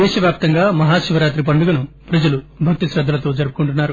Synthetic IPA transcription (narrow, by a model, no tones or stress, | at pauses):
ɛːʃɐʋjaːp̚t̪ɐŋɡaːmɐɦaːʃiʋɐɾaːt̪ɾip̬ɐɳɖuɡɐnu | pɾɐd͡ʒɐlubʱɐk̚t̪isɾɐd̪ʱːɐlɐt̪o̞ːd͡ʒɐɾupu̥kuɳʈunːaːɾu